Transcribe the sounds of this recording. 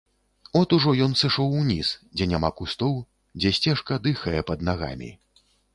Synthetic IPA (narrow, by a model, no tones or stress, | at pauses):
ɔt̪uʐɔjɔnsɨʂɔwunʲisd͡zʲɛnʲamakust̪ɔw | d͡zʲɛsʲt͡sʲɛʂkɐd̪ɨxɐjɛpɐd̪̚naɣa̰mʲḭ